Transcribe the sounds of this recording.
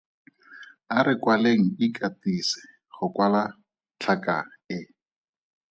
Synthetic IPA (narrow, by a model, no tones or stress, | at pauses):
aɾɪkwaleŋ̩ikʼatisɪ̥ | χʊkwala | t͡ɬʰakʼa̰ɪ